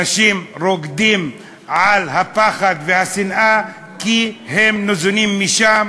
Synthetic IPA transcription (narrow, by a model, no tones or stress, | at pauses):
aʃimɾoɡd̪im | ʕalhapaχad̪vehasinʔa | kihemnozunimːiʃam